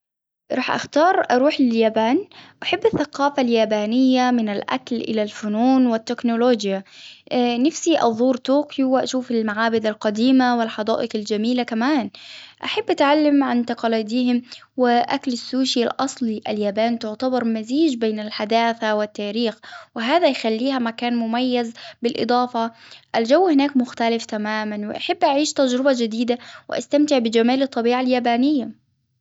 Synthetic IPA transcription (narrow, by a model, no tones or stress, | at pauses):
ɾˤɑːħʔa̰xt̪ɑːɾˤʔɑɾˤuːħlɪljaːbaːnʔaħabːaθːaqɑːfaljaːbaːnɪjːamɪnalʔa̰klʔɪ̰lalfʊnuːnwɪt̪ːɪknʊloːd͡ʒja | nafsiʔɑ̰ðˤuːɾt̪oːkjuwʔa̰ʃuːfɪlmaʕaːbɪd̪alqɑd̪iːmawɪlħɑd̪ˤɑ̰ːʔɪqald͡ʒamiːlakamaːnʔaħabːʔat̪ʕalːamʕant̪aqɑːliːd̪iːhɪmwɪʔaklasːuːʃialʔɑsˤliʔaljaːbaːnt̪ʊʕt̪abɑɾˤmaziːd͡ʒbeːnalħad̪aːθawɪt̪ːaːɾiːxwɪɦaːðajxalːiːhamakaːnmʊmajːazbɪlʔɨ̰d̪ˤɑːfɑʔald͡ʒawːhɪnaːkmʊxt̪alɪft̪amaːmanwɪ̰ʔaħabːʔaʕiːʃt̪ad͡ʒɾɪbad͡ʒɪd̪iːd̪awɪʔa̰st̪amt̪ɪʕbɪd͡ʒamaːlɨt̪ˤːɑbiːʕaljaːbaːnɪjːa